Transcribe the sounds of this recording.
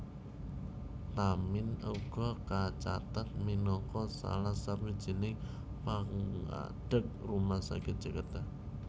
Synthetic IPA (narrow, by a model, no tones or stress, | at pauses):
t̪amɪnuɡ̥ɔ̤kat͡ʃa̰t̪at̪̚minɔkɔsa̰lahsapid̥ʒ̥i̤nɪ | paŋa̰ɖ̥ək̚rumahsa̰ɡɪt̪̚d͡ʒ̥əkət̪a